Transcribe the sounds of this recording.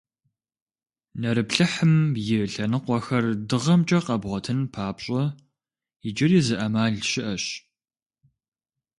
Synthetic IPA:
nɐɾɨpɬɨħɨmjɪɬɐnɨqʷɔxɐrdɨʁɐmt͡ʃʼɐqɐbʁʷɔtʰɨnpʰaːpɕʼɔ | ɪd͡ʒɪriːzɨʔɐmaːɮʃɪʔɐɕ

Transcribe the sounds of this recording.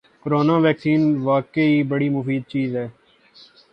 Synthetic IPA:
kəɾoːnãːʋɛːksiːnʋaːkeiːbəɽiːmʊfiːd̪̚t͡ʃiːzɦɛː

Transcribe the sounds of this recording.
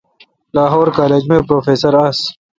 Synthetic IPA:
laːɦoːɾkaːleːd͡ʑmẽːpɾoːfeːsɐɾas

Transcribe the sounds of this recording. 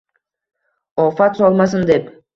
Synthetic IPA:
ofɑt̪solˠmɑsɯnd̪ep

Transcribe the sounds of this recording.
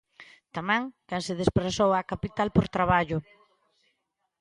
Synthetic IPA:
t̪amãŋkansɪð̞espɾasowakapit̪alpoɾt̪ɾaβaʎʊ

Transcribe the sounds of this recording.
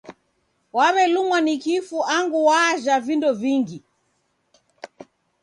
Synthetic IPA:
waβɛlumwanikifuʔaŋɡuwaʒavindɔviŋɡi

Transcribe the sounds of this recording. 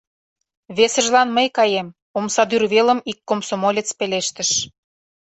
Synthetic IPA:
βesə̆ʒlɑnməjkɑjem | omsɑd̪yrβelə̆mikːomsomolʲet͡speleʃt̪ə̆ʃ

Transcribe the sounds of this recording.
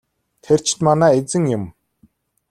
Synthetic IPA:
t̪ʰer̥t͡ɕ̆ʰt̪manæːet͡sɘ̆ŋjʊm

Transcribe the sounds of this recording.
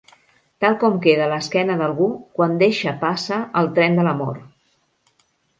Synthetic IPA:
t̪alˠkɔmkeðələskɛnəðəlˠɣukwand̪eʃəpasəʔəlˠt̪ɾɛnd̪ələmɔ̰ɾ

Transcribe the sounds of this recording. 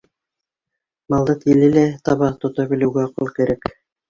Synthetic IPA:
mɑlˠd̪ɤt̪ilɘ̆læt̪ɑβɑt̪ŏt̪ɤβɘ̆lɘ̆wɡæoqɤlˠkɘ̆ɾæk

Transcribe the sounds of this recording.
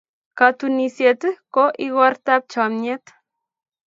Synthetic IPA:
kat̪unisjet̪ɨkoʔiɣart̪ap̚t͡ʃamɲet̪

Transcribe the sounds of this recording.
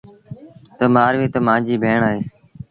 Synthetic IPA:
t̪əmaːɾʋeːt̪əmãːd͡ʒiːbʱeːɳaːɦeː

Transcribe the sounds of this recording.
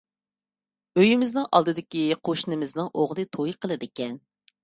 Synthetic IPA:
øjimɪznɨŋʔɑlˠd̪ɨd̪ɪkʲiqʰoʃnɪmɪznɨŋʔoʁlˠɨt̪ʰojqʰəlˠɨd̪ɪkʲɛn

